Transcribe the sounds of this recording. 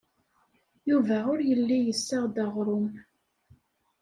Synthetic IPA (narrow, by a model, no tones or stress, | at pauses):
juvæʊɾjəlːijəsːaʁd̪æʁɾˤʊm